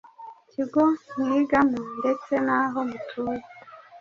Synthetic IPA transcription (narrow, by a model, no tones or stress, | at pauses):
ciɡomwiɡamundet͡senaɦomutʰuji